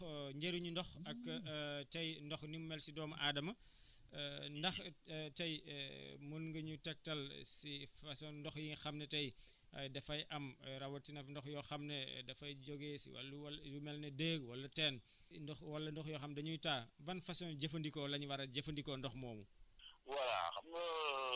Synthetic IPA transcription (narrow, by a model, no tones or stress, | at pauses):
ɲɟeɾuɲundɔxɐkːtɐjndɔxnimmɛlsidɔːmɐʔaːdɐmɐ | ndɐxtɐj | munŋɡɐɲutɛk̚tɐlsifɐsɔnndɔxjiŋxɐmnɛtɐj | ɐ̰jdɐfɐjʔɐmɾɐwɐtinɐfndɔxjɔxɐmnɛdɐfɐjd͡ʒɔɡesḭwɐ̰lːuwɐlumɛlnɛdeːɡwɐlːɐtɛːn | ndɔxwɐlːɐndɔxjɔxɐmdɐɲujtaːbɐnfɐsɔnɟɐfɐndikɔːlɐɲwɐɾɐɟɐfɐndikɔndɔxmɔːmuwɐla̰xɐm